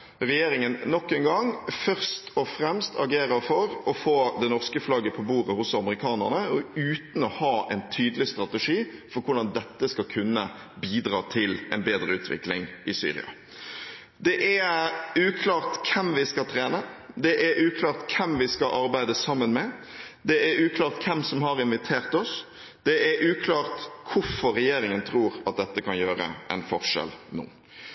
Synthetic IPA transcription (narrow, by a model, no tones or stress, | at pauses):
ʁɛjeːɾɪŋənnːɔkːɛŋɡɑŋfœʁst̪ɔfɾɛmst̪ʰɑ̰ɡeːɾəɾfɔɾɔfoːd̪ɛnɔʁskəflɑɡːəpʰɔbuːʁəhʊsɑməʁɪkʰɑːnə̰ʁnəʉːt̪n̩ɔhɑːʔɛɪnt̪ʰyːd̪əlɪst̪ɾɑt̪əʂiːfɔɾkʰʊɾɖ̪ɑnd̪ɛt̪ːəskɑlkʰʉnːə̰ | biːd̪ɾɑːt̪ʰɪlɛ̰nbeːd̪ʁəʉːt̪ʰʋɪ̰klɪŋʔɪsy̰ːɾɪ̰ɑ̰ | d̪ɛʔæʉːkʰlɑːʁt̪kʰɛmʋɪskɑlt̪ʰɾeːnə | d̪ɛʔæɾʔʉːkʰlɑːʁt̪kʰɛmʋɪskɑʔɑɾbæɪd̪əsɑmːənmɛ | d̪ɛʔæɾʉːkʰlɑːʁt̪kʰɛmsɔmɦɑɾɪnʋɪt̪ʰeːɾt̪ɔs | d̪̥ɛʔæɾʔʉːkʰlɑːɾt̪kʰʊɾfɔɾːɛjeːɾɪŋənt̪ʰɾuːɾɑt̪̚d̪ɛt̪ːəkʰɑnjøːɾə̰ʔɛ̰nfɔɾʂɛ̰lnṵː